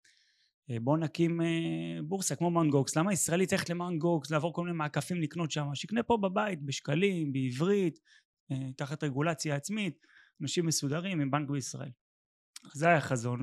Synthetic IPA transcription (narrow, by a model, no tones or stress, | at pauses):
ebo̞nakimebuʁsakmo̞manɡokslamaisʁaelitt͡saleet̪lemanɡokslaːvo̞komine̞maːkafimlikno̞t̪ʃamaʃeiknepo̞babait̪̚beʃkalimbeivʁit̪ | et̪ːaχat̪ʁeɡulat͡sjaːt͡smit̪̚ | anaʃimːesud̪aʁimimbaŋkbeisʁa̰e̞̰l | azeajaχazo̞n